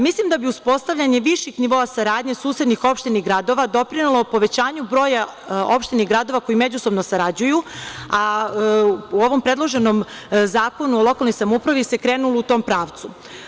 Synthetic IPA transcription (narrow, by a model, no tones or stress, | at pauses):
mislimd̪abiuspo̞st̪aʋʎʲaɲe̞ʋiʃixniʋo̞ːasaɾaːd̪ɲe̞suːse̞d̪nixo̞pʃt̪iniɣɡɾad̪o̞ʋad̪o̞pɾinulˠo̞po̞ʋe̞t͡ɕaːɲubɾo̞ːja | o̞pʃt̪iniɡɾad̪o̞ʋako̞jime̞d͡ʑuso̞bnosaɾad͡ʑujua | uo̞ʋo̞mpɾe̞d̪lˠo̞ʒe̞nom | zaːko̞nuolˠo̞kalno̞jsamupɾaʋise̞kɾeːnulˠout̪o̞ːmpɾaːʋt̪su